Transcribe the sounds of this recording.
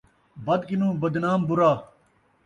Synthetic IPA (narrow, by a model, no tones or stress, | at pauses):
bɐd̪kinũːbɐd̪naːmbuɾaː